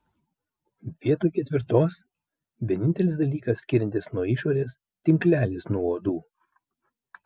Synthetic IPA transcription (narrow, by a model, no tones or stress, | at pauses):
ʋʲiɛt̪oːjkʲɛt̪ʲʋʲɪɾt̪oːs | ʋʲiɛnʲɪnʲt̪ʲɛlʲɪsd̪ɐlʲiːkɐsːʲkʲɪɾʲɛnʲt̪ʲɪsnuɔɪʃoːɾʲeːs | t̪ʲɪŋʲklʲæːlʲɪsnuɔoːd̪uː